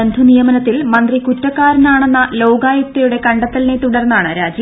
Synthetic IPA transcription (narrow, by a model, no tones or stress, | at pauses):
end̪ʱunijɐmɐnɐt̪ːilmɐnd̪rikutːɐkːaːɾɐnaːɳenːɐlo̞ːɡaːjɐk̚t̪ɐjuɽe̞kɐɳɖɐt̪ːɐlnet̪uɽɐrnːaːɳɨɾaːd͡ʑi